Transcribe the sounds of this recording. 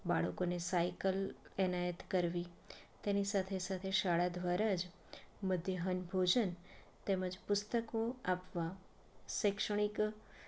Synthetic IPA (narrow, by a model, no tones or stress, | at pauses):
baɭəkonesajkəlɛnajət̪kəɾʋit̪enisat̪ʰesat̪ʰeʃaɭad̪ʋaɾad͡ʒ | məd̪ʱjəɦənbʱod͡ʒən | t̪ɛməd͡ʒpʊst̪əkoapʋa | ʃəkʃəɽ̃ik